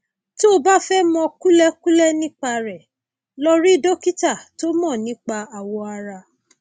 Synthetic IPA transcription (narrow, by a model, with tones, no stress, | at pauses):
to˦ba˦fɛ˦mɔ̃˧ku˦lɛ˦ku˦lɛ˦nĩ˦k͡pa˧ɾɛ˨ | lɔ˦ɾi˦˨do˦ki˦ta˦˨to˦mɔ̃˦˨nĩ˨˦k͡pa˧a˨wɔ˧a˧ɾa˧